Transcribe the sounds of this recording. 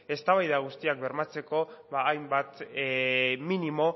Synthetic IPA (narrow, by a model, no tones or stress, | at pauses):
e̞st̪aβajðaɣ̞ust̪iak̚be̞ɾmat͡se̞ko̞βaːjmbat̪ | minimo̞